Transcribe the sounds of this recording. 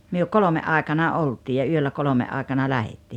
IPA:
myø kolome ʔɑˑekɑnɑ oltʲiː jɑ yølːæ kolomeʔ ʔɑˑekɑnɑ læhetːiː

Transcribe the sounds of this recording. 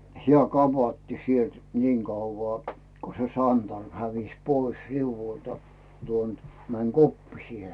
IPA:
hĭæˑ kɑpɑtːi sielt niːŋ kɑuʋːɑː ko se sɑntɑrm hæʋis pois riuʋːultɑ̥ tuon t mæn kopːisie

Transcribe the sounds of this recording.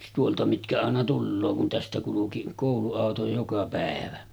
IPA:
tuoltɑ mitkæ ɑˑenɑ tulːoː kun tæstæ kuluki koˑuluɑˑoto jokɑ pæˑeʋæ

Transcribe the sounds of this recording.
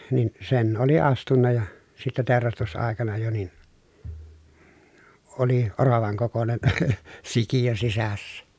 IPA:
nin sen oli ɑstunːɑ jɑ sitːe teˑorɑstusɑˑekɑnɑ jo nin oli orɑʋɑŋ kokonen sikijø sisæsːæ

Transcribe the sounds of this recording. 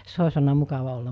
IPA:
se osʲ olnɑ mukɑʋɑ olːɑm̆

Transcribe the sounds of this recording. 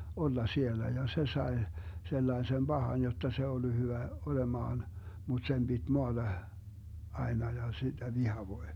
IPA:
olːɑ sielːæ jɑ se sɑe selːɑesem b̥ɑhɑn jotːɑ se olːu hyʋæ olemɑːn mut sem b̥id̥ moɑd̥ɑ ɑenɑ jɑ sid̥æ ʋihɑʋoi̯

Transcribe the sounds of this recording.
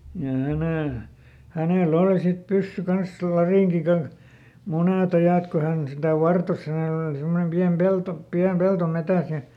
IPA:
jɑ hæneˑ hæneˑl oli sit pysːy kɑns lɑriˑŋki kɑnh muneˑt ɑjɑˑt ko hæn sitæ ʋɑrtos hæneˑl oli simːonem piæm pelto piæm pelto metæˑs jɑ

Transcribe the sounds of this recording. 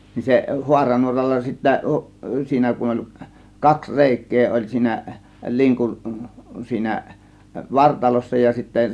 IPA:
ni se huɑrɑnuorɑlːɑ sitːæ siːnæ kun olʲ kɑks reˑikˑeː olʲ siːnæ liŋkun siːnæ ʋɑrtɑlosːɑ jɑ sitːæ

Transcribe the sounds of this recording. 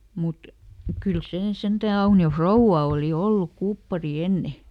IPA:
mut kyl seː sentæˑ ɑunio frouʋːɑ oˑli olːuk kupːɑri enːe

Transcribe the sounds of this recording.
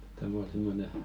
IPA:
tæm ol simːone

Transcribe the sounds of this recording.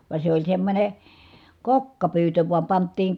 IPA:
ʋɑ se olʲ semːonʲe kokːɑpyːtø ʋuɑm pɑntːiːŋ

